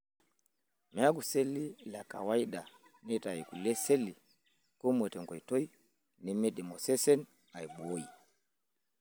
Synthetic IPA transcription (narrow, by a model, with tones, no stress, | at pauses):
mɛ˨a˦ɡu˨sɛ˦li˦la˨ka̰˨wa˦i˦ɗa˨ | nɛ˦ta˨i˨ku˨lɛ˦sɛ˦li˨ | kɔ˦mwɛ˨tɛ˨ŋɡɔ˨i˨tɔ˦i˦ | ni˨mɛ˦ɗɛ˨mɔ˨sɛ˦sɛ˦n | a˨i˨bɔ˦i˨